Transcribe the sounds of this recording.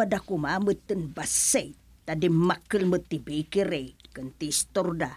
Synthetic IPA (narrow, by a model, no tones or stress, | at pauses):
adakumamət̪ːənbasej | t̪adimakəlmət̪ibekiɾejkənt̪ist̪orda